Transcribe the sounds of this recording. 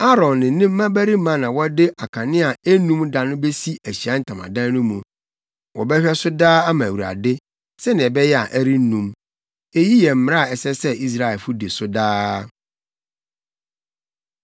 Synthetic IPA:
a˦ɾɔ̃˨nːɪ̃˨nɪ̃˦m̩˦ã˦bæ˦ɾi˦mã˦nã˨wɔ˦dɪ˦ʔa˨kʰã˨nɪ̃˦a˨e˦nũ˦mda˨nʊ̃˦be˦si˦æ˨ɕi˨a˦n̩˨tʰã˨mã̰˨dã˦n˦nʊ̃˦mũ˨ | wɔ˨bɛ˦ɕᶣɛ˦sʊ˦daː˦a˦mã˨wu˨ɾa̰˨dɪ˦ | sɛ˦nɪ̃˨ɛ˨bɛ˦jɛ˦a̰˨ʔæ˦ɾi˦n̩˦nũ˨m | e˦ji˦jɛ˨m̩˦˨m˨ɾa˦˨ɛ˨sɛ˦sɛ˦i˦s̬ɾa˨ɛ˨lfʊ˦de˨sʊ˦daː˦

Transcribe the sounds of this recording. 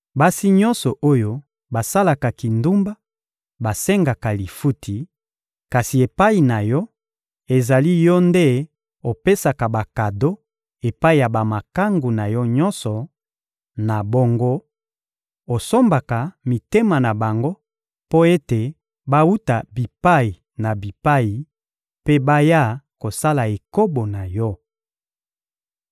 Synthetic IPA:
ba˦si˦ɲɔ˦nsɔ˨ʔo˦jo˦ | ba˨sa˦la˨ka˨ki˨ndu˦mba˦ | ba˨sɛ˦ŋɡa˨ka˨li˨fu˦tʰi˨ | ka˨si˨e˨pa˦i˨na˨jɔ˦ | e˨za˨li˦jɔ˦nde˦ | o˨pe˦sa˨ka˨ba˨ka˨do˦ | e˨pa˦i˨ja˨ba˨ma˨ka˦ŋɡu˨na˨jɔ˦ɲɔ˦nsɔ˨ | na˨bo˦ŋɡo˦ | o˨so˦mba˨ka˨mi˨te˦ma˨na˨ba˨ŋɡo˦ | po˦e˦te˨ | ba˦wu˦ta˨bi˨pa˦i˨ | na˨bi˨pa˦i˨ | pe˦ba˦ja˦˨ko˨sa˦la˨e˨ko˦bo˨na˨jɔ˦

